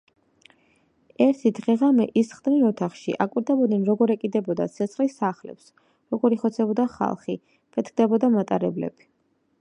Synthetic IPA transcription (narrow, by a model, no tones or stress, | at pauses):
ɛɾt̪ʰid̪ʁɛʁamɛ̰ʔisχd̪ninɔt̪ʰaχʃḭʔakʼwiɾd̪ɛbɔd̪nɛnɾɔɡɔɾɛkʼid̪ɛbɔd̪a̰sʰɛt̪sχlisaχlɛ̰ps | ɾɔɡɔɾiχɔt̪sʰɛbɔd̪aχa̰lˠχi | pʰɛt̪ʰk̚ʰd̪ɛbɔd̪amat̪ʼaɾɛblɛ̰b̥i̥